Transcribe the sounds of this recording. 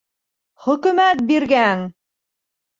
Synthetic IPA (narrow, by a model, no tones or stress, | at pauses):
χɵ̆kɵ̆mæt̪̚biɾɡæŋ